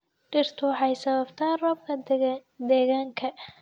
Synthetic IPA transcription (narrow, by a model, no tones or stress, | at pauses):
ɖɪrt̪ʰʊħɑjsɐβɐbt̪ʰaːrɔb̚kʰɐd̪ɛːɣaːŋkʰɐ